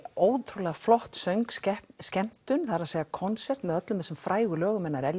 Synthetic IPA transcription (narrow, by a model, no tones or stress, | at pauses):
oːwt̪ʰɾulɛaflɔht̪sœɥŋkscɛm̥t̪ʏnθaɾaðseːjɣakʰɔnsɛr̥t̪mɛðœt̪lʏmɛsʏmfɾʔaːjɣʏlœːɣʏmɛnːaɾɛl